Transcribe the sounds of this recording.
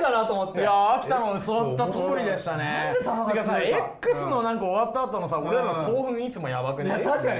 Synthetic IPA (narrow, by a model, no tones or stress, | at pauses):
d̪anat̪omot̪ːejaːkʲi̥t̪anod̪esot̪ːat̪okoɾʲid̪e̞ɕi̥t̪aneakasaekːɯ̟sɨno̞nãŋkaoβat̪ːaːt̪o̞nosaoɾeakoːɸɯ̟̃ɰit͡sɨmo̞jabakɯ̟d̪a